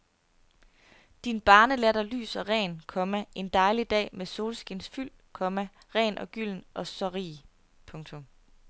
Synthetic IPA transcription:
d̥inb̥ɑ̈ːnəlæɐɾ̥ɑly̰ːsɒ̽ʁɛ̰ːnkʰɒ̽mæʔe̝nd̥ɑ̈ɪlid̥ɛ̰ːmeso̝ːlsɡ̥insfyl̰ | kʰɒ̽mæ | ʁɛ̰ːnʔɒ̽ɡ̥yl̰n̩ʔɒ̽sɒʁḭː | pʰɔ̽ŋt͡sʰo̽m

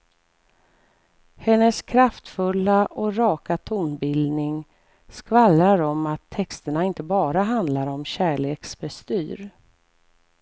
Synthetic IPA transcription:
hɛnːəskʰɾaft̪fɵlːaʔɔɾɑːkat̪ʰuːnbɪld̪nɪŋ | skvalɾaɾɔmat̪ʰːɛkst̪əɳaɪnt̪əbɑːɾaɦand̪laɾɔmɕæːɭeːksbɛst̪yːɾ

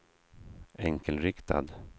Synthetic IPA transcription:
ʔɛŋkʰəlɾɪkt̪ʰa̰d̪

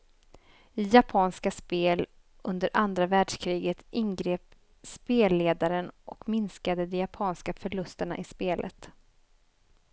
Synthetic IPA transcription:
ɪjapʰɑːnskaspeːl | ʔɵnd̪əɾʔand̪ɾavæːɖʂkʰɾiːɡət̪ʔɪnɡɾeːp | speːleːd̪aɾənʔɔkmɪnskad̪əd̪ɛjapʰɑːnskafœɭɵst̪əɳa̰ʔɪspeːlʔə̰t̪

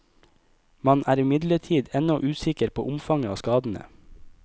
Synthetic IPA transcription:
mɑnʔæːɾɪmɪd̪ləʈʰiːd̪ɛnɔʔʉːsɪkəɾpʰo̰ːʔʊmfɑŋəoːskɑːd̪n̩ə̰

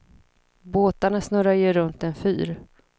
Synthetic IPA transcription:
boːt̪aɳasnœːɾajɛɾɵnt̪ɛnfy̰ːɾ

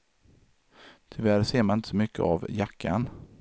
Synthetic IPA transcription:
t̪ʰʏvæɾseːɾmanɪnt̪əsɔmʏkːə̰avjakːan

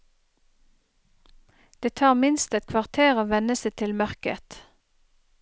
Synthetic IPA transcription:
d̪̥eːt̪ʰɑːʁmɪnst̪ɛt̪kʰʋɑʁt̪ʰeːʁoːʋɛnəset̪ʰɪlmœʁkə̰t̪

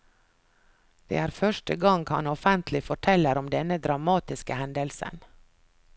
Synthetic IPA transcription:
d̪̥ḛːæːɾfœʃʈəɡɑŋɡhɑ̰nɔfənt̪ʰlɪfɔʈʰɛlːəɾɔmd̪ɛnəd̪ɾɑmɑːt̪ɪskəhɛnd̪əlsə̰n

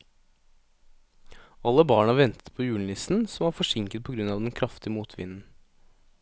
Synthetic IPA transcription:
ɑlːəbɑːɳɑʋɛnt̪ə̥t̪̚pʰoːjʉːɳ̩lɪsn̩sɔmʋɑːɾfɔʂɪŋkət̪̚pʰɔɡɾʉnɑːʋd̪ɛnkʰɾɑft̪ɪəmuːt̪ʰʋɪ̰nn̩

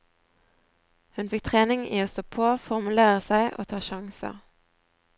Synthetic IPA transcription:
hʉnfɪk̚t̪ʰʁeːnɪŋiːoːst̪oːpʰoːfɔʁmʉleːʁəsæɪʔo̰ːt̪ʰɑːʃɑŋsə̰

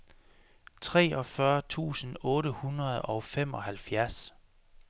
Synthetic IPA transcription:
t͡sʰʁɛ̰ːɒ̽fɶɐt͡sʰṵːsən̩ɔːɾəhunʁɐð̞̩ˠɒ̽ʊfem̰ɒ̽hælfjæɐs

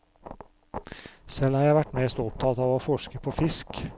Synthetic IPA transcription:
sɛlhɑːɾjæɪʋæʈmeːst̪ɔp̚t̪ʰɑt̪ɑːʋoːfɔʃkəpʰoːfɪsk

